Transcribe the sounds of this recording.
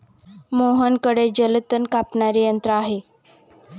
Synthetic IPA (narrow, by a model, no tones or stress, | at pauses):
moɦənkəɽed͡ʑələt̪ənkapɳaɾijənt̪ɾəaɦe